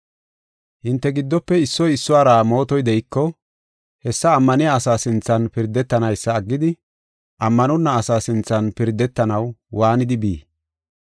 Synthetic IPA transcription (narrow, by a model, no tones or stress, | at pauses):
hɪnt̪ːɛɡɪd̪ːɔpːɛɪsːɔjɪsːʊaːɾaːmo̞ːt̪ɔjd̪ɛʔɪkːɔ | hɛsːɐːmːɐnɪjaːsaːsɪnt͡sːɐnpɪɾd̪ːɛt̪ːɐnɐjsːɐːɡːɪd̪ɪ | ʔɐmːɐnɔnːɐːsaːsɪnt͡sːɐnpɪɾd̪ːɛt̪ːɐnɐwwaːnɪd̪ɪbḭː